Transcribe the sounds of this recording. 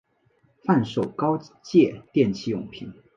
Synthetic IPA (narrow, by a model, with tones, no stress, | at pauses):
fa˥˩nʂo˨˩ʊkɑ˥ʊt͡ɕjɛ˥˧t̪jɛ˥˧nt͡ɕʰi˥jʊ̰˨˩ŋpʰḭ˧˥˦n